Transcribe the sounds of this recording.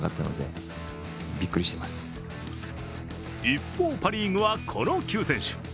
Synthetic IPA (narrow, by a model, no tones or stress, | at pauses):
ɡa̰t̪ːano̞̰d̪e | bʲikːɯɾʲiɕi̥t̪emasɨ̥ | ipːo̞ːpaɾʲĩːŋɡɯ̟βakʰo̞no̞kʲɨːsẽ̞ɰ̃ɕɨ̥